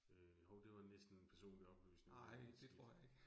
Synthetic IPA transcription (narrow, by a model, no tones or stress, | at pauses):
ø | hɔʊd̥e̝ʋɑ̈nesd̥n̩enpʰæɐso̝̰ːnliɒ̽b̥y̰ːsne̝nŋɪ̰d̥et͡sʰʁʁo̝ɐ̰jäe̝ɡ̥